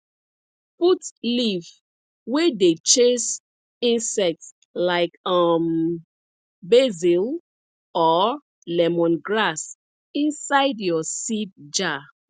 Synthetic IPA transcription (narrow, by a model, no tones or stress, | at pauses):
putliv | wedet͡ʃes | ĩnsɛk̚ts | laɪkʌm | bezil | ɔ | lɛmɔ̃nɡɹas | ĩnsaɪdjɔsit̚d͡ʒa